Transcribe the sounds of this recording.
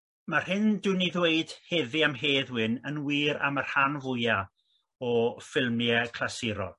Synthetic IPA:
mar̥hɪndɨniðweɨd̥hɛðɨamɦeːðwɪnənwiːɾa̰mar̥hanvʊja | ɔfɪlˠmjɛkʰlasɪɾɔ̰

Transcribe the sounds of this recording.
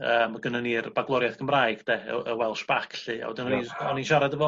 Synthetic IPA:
əːmaɡənənirbaɡlˠɔɾjaθɡ̥əmrajɡ̥d̥ɛə̰əwɛlˠʃbakʰɬɨa̰wə̰dɪnɔniɔninʃaɾadəvɔ

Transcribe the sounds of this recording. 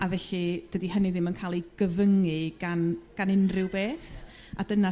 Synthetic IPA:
avɛɬɨd̥ədihənɨðɪmənkʰaːlˠiɡ̥əvəŋɨɡanɡ̥anɪnrɪwbeːθ | adəna

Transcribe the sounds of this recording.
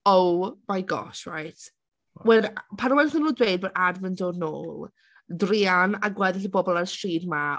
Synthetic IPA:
owbajɡɔ̰ʃra̰jtʰ | wɛdpʰaɾɔwɛnθənːuːdwejd̚bəɾadvɪndɔdno̰ːlˠ | drianaɡwɛðɪɬibɔbɔlˠarsriːdma

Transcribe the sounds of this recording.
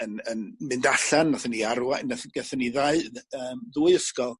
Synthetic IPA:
ənənmɨndaɬanːaθəniaɾwanaθɡ̥ɛθəniðaɨðəːmðuːɨəskɔlˠ

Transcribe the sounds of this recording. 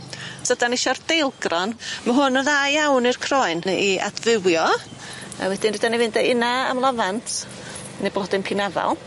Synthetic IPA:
sədanɪʃɔrd̥ejlˠɡrɔnməɦʊnəðajawnirkʰrɔɨniʔa̰dvɪwjɔ | a̰wɛdɪndɪdanivɪndɛɪnaa̰mlˠavantʰ | nejblˠɔdɪnpʰɪnava̰lˠ

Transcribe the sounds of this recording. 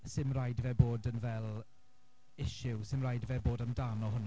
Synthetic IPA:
sɪmrajdvɛboːdənvɛlˠ | ɪʃɪwsɪmrajdvɛboːdamdaːnɔɦʊn

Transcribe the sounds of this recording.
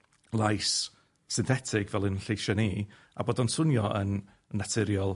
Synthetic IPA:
lˠajsː | ɪnθɛtʰɪɡvɛlˠɪnɬejʃɔniː | a̰boːdɔnsʊnjɔʔənː | atʰɪɾjɔlˠ

